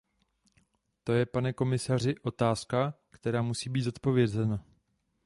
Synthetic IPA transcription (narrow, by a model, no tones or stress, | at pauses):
t̪o̞jɛpanɛko̞mɪsar̝ɪʔo̞t̪aːska | kt̪ɛɾaːmusiːbiːt̪zo̞t̪po̞vjɛzɛna